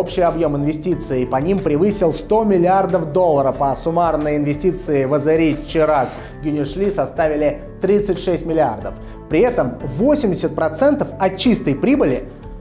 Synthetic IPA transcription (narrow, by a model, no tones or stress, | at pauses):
opɕɪjɐbjo̞mɪnvʲɪsʲtʲit̪sɨɪpɐnʲimpɾʲɪvɨsʲɪlˠst̪o̞mʲɪlʲɪard̪əfd̪o̞lˠːəɾəfɐsʊmarnəjəɪnvʲɪsʲtʲit̪sɨɪvəzɐɾʲit͡ɕɪɾak | ɡʲʊnʲɪʂlʲisɐst̪avʲɪlʲɪ | t̪ɾʲit̪sɨtʲʂɛsʲtʲmʲɪlʲɪa̰rd̪əf | pɾʲɪɛt̪əmvosʲɪmʲdʲɪsʲət̪̚pɾɐt̪sɛnt̪əfɐtt͡ɕːist̪əjpɾʲibɨlʲɪ